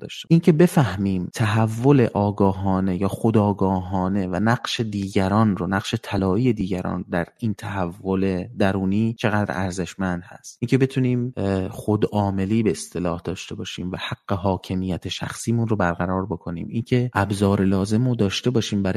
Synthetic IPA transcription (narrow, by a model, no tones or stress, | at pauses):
d̪ɒ̰ːʃt̪eiːncʰe̞be̞fæhmiːmt̪ʰæɦævːo̞le̞ʔɒːɡɒːɦɒːne̞jɒːxod̪ɒːɡɒːɦɒːne̞vænæɡʃe̞d̪iːɟæɾɒːnronæqʃe̞t̪ʰælɒːiːje̞d̪iːɟæɾɒ̰ːnd̪æɾint̪ʰæhævːo̞le̞d̪æɾuːniːt͡ʃʰe̞ɣæd̪ɾ̰æɾze̞ʃmænd̪hæ̰st̪iːncʰe̞be̞t̪ʰuːniːmχod̪ʔɒːme̞liːbe̞est̪e̞lɒːhd̪ɒːʃt̪e̞bɒːʃiːmvæhæɡːeɦɒːcʰe̞miːjæt̪ʰeʃæ̰xsiːmunrobæɾɣæɾɒːɾbo̞kʰo̞nḭːmiːncʰe̞ʔæbzɒːɾelɒːze̞mod̪ɒːʃt̪e̞bɒːʃiːmbæɾ